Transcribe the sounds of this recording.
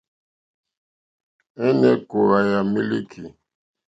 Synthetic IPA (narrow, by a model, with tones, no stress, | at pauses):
ɛ˦nɛ˦ko˨ɣa˨ja˨mi˦li˦kʰi˨